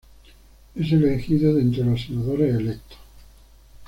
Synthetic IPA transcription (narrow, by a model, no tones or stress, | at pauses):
eselexiðoðent̪ɾelasenaðoɾaeːlek̚t̪o̥